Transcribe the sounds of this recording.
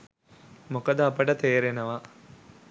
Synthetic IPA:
mokəd̪əɐpəʈət̪eːɾenəʋa

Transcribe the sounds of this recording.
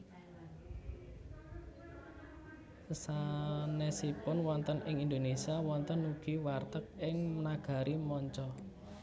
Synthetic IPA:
sanɛsipʊnwɔnt̪ənʔɪŋind̪onesiawɔnt̪ənuɡ̥i̤wart̪ək̚ɪŋmənaɡ̥a̤ɾʔimɔɲt͡ʃɔ

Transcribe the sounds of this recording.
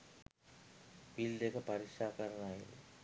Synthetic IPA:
pild̪eːkːɐpɐɾiʂaːkɐɾɐnaːjḭlɨ̰

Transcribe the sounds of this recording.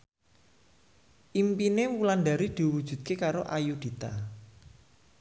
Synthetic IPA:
ʔimpinewulanɖa̤ɾid̪̥i̤wud̥ʒ̥ṳd̪̥̚kekaɾoʔajud̪̥i̤t̪a

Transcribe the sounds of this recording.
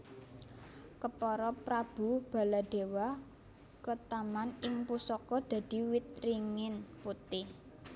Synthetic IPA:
kəpɔɾɔpɾab̥ṳb̥a̤lad̥e̤wa | kət̪amanɪŋpusɔkɔd̪̥ä̤d̪̥i̤wit̪̚ɾiŋɪnput̪ɪh

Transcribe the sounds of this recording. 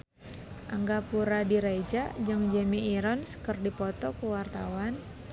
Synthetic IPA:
ʔaŋɡapuɾadiɾajd͡ʒad͡ʒɨŋd͡ʒəmiiɾɔnskərdipɔt̪ɔkəwart̪awan

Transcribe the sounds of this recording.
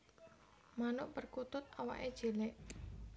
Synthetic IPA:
manʊʔpərkut̪ʊt̪̚awa̰ʔed̥ʒ̥e̤lɛʔ

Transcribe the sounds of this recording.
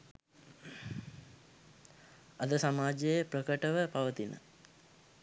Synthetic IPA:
ad̪əsamaːd͡ʒejəprəkəʈəʋəpaʋət̪inə̰

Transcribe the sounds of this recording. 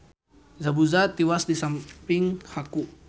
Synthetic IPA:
zabuzat̪iwasdisampɪŋhaku

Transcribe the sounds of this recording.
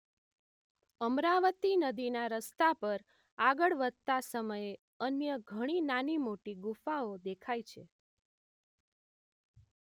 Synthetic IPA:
əmɾaʋət̪inəd̪inaɾəst̪apəɾ | aɡəɭʋəd̪̚t̪asəməje | ənjəɡʱəɽ̃inanimoʈiɡufaod̪ekʰajt͡ʃʰe

